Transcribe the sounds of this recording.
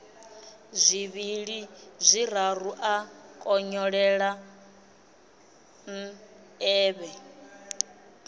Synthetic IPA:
zʷiβiɺizʷiɾaruʔakʼɔɲɔɺɛɺa | n̩ | ɛːβɛ

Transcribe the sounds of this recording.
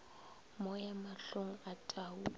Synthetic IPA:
mɔjamaɬoŋ̩atʼaːu

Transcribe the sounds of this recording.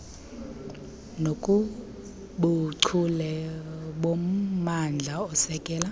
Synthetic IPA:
nokʼu | ɓuǀʰulɛɓommand͡ɮʱaɔsɛkʼɛːla

